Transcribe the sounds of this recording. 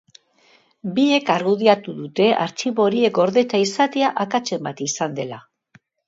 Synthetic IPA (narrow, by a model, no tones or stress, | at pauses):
bie̞kaɾɣuð̞iat̪uðut̪e̞ʔa̰ɾt͡ʃiβo̞ɾie̞ko̞ɾðe̞t̪aisat̪e̞aʔakat͡ʃe̞mbat̪isand̪e̞la